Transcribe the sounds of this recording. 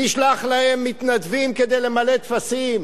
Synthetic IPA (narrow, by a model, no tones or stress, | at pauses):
iʃlaχlahemːit̪nad̪vimked̪e̞jle̞male̞t̪fasim